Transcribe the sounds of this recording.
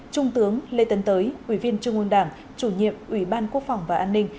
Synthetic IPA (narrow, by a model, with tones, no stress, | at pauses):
t͡ɕʊ˧ŋ͡mt̪ɨ˨˦əŋle˧t̪ə˨˦nt̪əː˨˦jʔwi˧˩vi˧ənt͡ɕɨ˧əŋʔu˧nɗaː˧˩ŋ | t͡ɕu˧˩ɲḭ˧˨əmʔwi˧˩ɓaː˧nku˦˥ək̚fa˨˩wŋ͡mvaː˨˩ʔaː˧nːï˧ŋ̟